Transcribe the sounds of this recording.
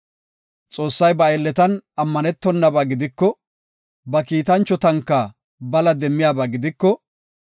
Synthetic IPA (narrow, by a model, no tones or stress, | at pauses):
t͡sʼo̞ːsːɐjbɐelːɛt̪ɐnɐmːɐnɛt̪ːɔnːɐbaːɡɪd̪ɪkːɔ | bɐkiːt̪ɐnt͡ʃːɔt̪ɐŋkːa | bɐlɐd̪ɛmːɪjaːbaːɡɪd̪ɪkːɔ